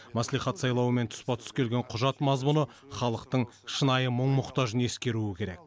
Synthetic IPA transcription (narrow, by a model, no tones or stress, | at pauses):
mæsliχɑt̪sɑjlˠɑwəme̞nt̪ʰʊ̥spɑt̪ʰʏ̥skʲʰe̞lɡʲeɴqʰʊʒɑt̪mɑzmʊnə | χɑlˠəqt̪əɴ | ʃənɑjəməɴmʊqt̪ɑʒəne̞skʲe̞ɾuɪkʲʰe̞ɾek̚